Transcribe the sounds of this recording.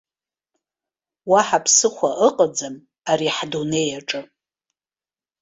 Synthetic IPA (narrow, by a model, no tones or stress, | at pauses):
waħapʰsɨχʷaʔəqʼəd͡zɨm | aɾiħdune̞jaʈ͡ʂʼɨ